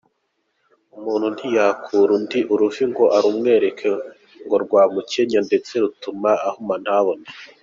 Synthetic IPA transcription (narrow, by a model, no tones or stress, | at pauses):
umuːnhun̥hijakʰuɾundiʔuɾuviŋɡo̞ʔaɾumŋe̞ːɾe̞kʰe | ŋɡo̞ɾɡwaːmuceɲande̞t͡se̞ɾutumaːhuman̥haβone